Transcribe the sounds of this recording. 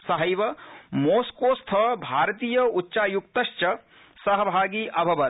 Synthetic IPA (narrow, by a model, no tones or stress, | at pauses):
sɐɦɐjʋɐmoːskoːst̪ʰɐʋɐbʱaːɾɐt̪iːjɐutːʃaːjukt̪ɐʃt͡ʃɐ | sɐɦɐbʱaːɡiːʔɐbʱɐʋɐ